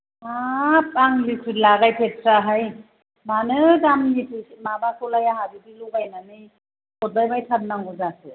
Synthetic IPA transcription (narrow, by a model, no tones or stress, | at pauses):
ap̚aŋlikʰɾitlaɡajpʰet̚pʰɾaɦaj | manɯdamnitʰɯimabasʰɔlajaɦadidiluɡajnanɯj | kʰɔt̚bajbajtʰat̚naŋɡɔzasɯ